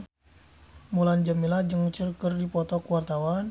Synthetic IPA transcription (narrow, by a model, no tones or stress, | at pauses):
muland͡ʒamilad͡ʒɨŋt͡ʃilkərdipɔt̪ɔkuwart̪awan